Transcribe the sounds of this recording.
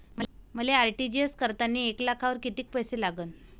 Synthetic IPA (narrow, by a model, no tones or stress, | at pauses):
məm̤əleaɾʈid͡ʑiəskəɾt̪anːiːeklakʰaʋəɾkit̪iːk̚pəjselaɡəːn